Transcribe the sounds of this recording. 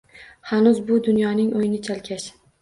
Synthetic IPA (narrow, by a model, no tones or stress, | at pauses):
hanʊzbʊd̪ʊnjɒnɪŋʔojɪnɪt͡ʃʰalkʲʰaʃ